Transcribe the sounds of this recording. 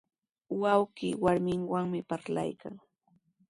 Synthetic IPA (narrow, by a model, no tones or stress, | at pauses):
wawɢiːwaɾmɪŋwaŋmɪpaɾla̰jka̰ŋ